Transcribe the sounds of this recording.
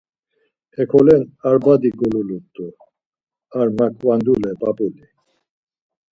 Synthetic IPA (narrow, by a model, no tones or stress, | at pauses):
hɛkʰɔlɛnaɾbad̪iɡɔlulut̪ʼːu | aɾmakʼvand̪ulɛpʼapʼuli